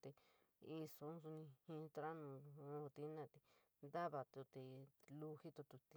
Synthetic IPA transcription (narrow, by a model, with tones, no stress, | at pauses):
t̪e˧ | i˧so˨˦nsu˧nĩ˧hĩ˧t̪ɾa˦nũ˨˧õ˧t̪i˧˦nã˦˧˨t̪i˧ | nd̪a˦βa˨t̪u˧t̪e˧lu˧hi˦t̪o˧t̪u˧t̪i˧